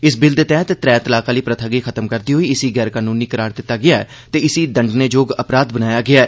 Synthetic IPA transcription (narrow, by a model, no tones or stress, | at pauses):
ɪsbɪld̪t̪ɛ̃ːt̪et̪ɾɛːt̪əlaːkaːliːpɾət̪ʰəɡiːkʰət̪əmkəɾd̪iːɦoiːɪsiːɡɛːɾkaːnuːniːkəɾaːɾd̪ɪt̪ːaːɡɪjaːɛt̪eːɪsiːd̪əɳɖneːd͡ʒoːɡəpɾaːd̪bənaːjaːɡɪaː